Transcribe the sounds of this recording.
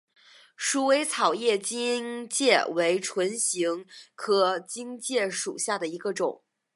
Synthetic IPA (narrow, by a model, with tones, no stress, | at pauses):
ʂu˥we˧˥ɪt͡sʰɑ˨˩ʊjɛ˥˩t͡ɕi˥ŋt͡ɕjɛ˥˩we˧˥ɪʈ͡ʂʰwə˧˥nɕi˧˥ŋkʰɤ˧˥t͡ɕi˥ŋt͡ɕjɛ˥˩ʂṵ˨˩ɕja˥˩d̪ə˩i˧˥ɡə˧ʈ͡ʂʊ˨˩˦ŋ